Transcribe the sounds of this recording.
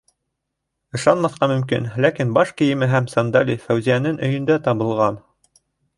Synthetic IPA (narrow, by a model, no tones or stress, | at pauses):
ɤ̆ʃɑnmɑθqɑmɵ̆mkḭnlækinbɑʃkɘ̆jɘ̆mɘɦæmsɑnd̪ɑlʲifæwzijænɘŋʔɵ̆jɵ̆nd̪æt̪ɑβɤ̆lˠʁɑn